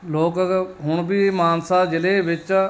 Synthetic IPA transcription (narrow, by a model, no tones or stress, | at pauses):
loːkɦʊɳbiːmaːnsaːd͡ʒɪleːʋɪt͡ʃ